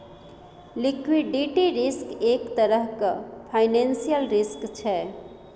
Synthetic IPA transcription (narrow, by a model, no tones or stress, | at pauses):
likʰwiɖiʈiɾiskekt̪əɾəɦkəpʰaɪnensijəlɾiskt͡ʃʰɛ